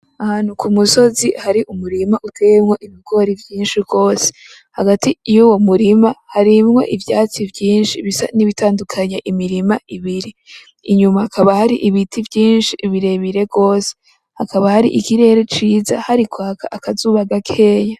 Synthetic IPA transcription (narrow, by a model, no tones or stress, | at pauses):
ahaːn̥hukʰumuso̞zihaɾiʔumuɾimaʔutejemŋo̞ʔiβiɡo̞ɾivjiːnʃibɡo̞ːse̥ | haɡatijuːwo̞muɾimahaɾimŋo̞̰ʔivjaːt͡sivjiːnʃiβisaniβitaːndukʰaɲaʔimiɾimaʔiβiɾiː | ɲumahakʰaβahaɾiʔiβitʰivjiːnʃiʔiβiɾe̞βiɾe̞ɡo̞ːse | hakaβahaɾḭʔikiɾe̞ɾet͡ʃiːza̰haɾikwaːkʰaʔakazuːβaɡakʰe̞ːɲa